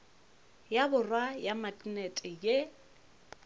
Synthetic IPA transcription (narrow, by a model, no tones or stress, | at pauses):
jabʊrwajamakʼnɛtʼɪje